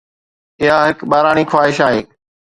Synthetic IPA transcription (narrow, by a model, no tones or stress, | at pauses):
ɪɦaɦɪkɓaːɾaːɽ̃iːxwaːɦɪʃaːɦeː